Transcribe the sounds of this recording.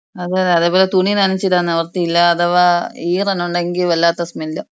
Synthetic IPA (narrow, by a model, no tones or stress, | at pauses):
ɐðɐðeːpoːlet̪uɳinɐnɐt͡ɕːiʈaːnnɐʋɐrt̪ːiilːɐːðɐʋaiːrɐnuɳɖeŋɡilʋɐlːaːt̪ːɐsmɐlːɐ